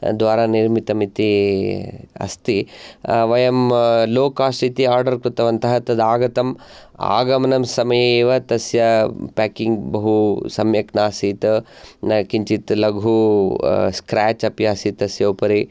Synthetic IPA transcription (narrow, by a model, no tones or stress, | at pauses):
d̪ʋaːɾaniɾmit̪ɐmit̪i | ɐ̰st̪iʋɐjɐmloːkaːsʈit̪iaːɾɖɐɾkɾut̪ɐʋɐnt̪ɐɦɐt̪ɐd̪aːɡɐt̪ɐm | a̰ːɡɐmɐnɐmsɐmɐjeːʋɐt̪ɐsjɐpaːkiŋɡbɐɦusɐmjɐknaːsit̪ | kiɲt͡ʃit̪lɐɡʱu | skɾaːt͡ʃɐpjaːsit̪ɐsjɐupɐɾi